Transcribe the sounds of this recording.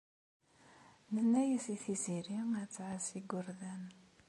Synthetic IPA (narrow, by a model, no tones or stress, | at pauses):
nənːæjəsiθiziɾiæt͡sːʕasiɡʷəɾðæn